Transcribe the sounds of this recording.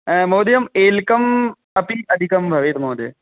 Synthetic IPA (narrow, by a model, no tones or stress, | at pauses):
moːd̪jɐmeːlkɐm | ɐpiɐd̪ʱikɐmbʱɐʋeːt̪mɐːd̪ḛ